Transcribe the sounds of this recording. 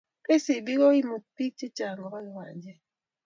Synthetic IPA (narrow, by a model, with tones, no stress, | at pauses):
ke˦si˨bi˦ɣɔ˦i˦mu˨pi˦k̚t͡ʃi˦t͡ʃa˨ŋɡɔ˨ɣa˦i˨wa˨nd͡ʒɛ˦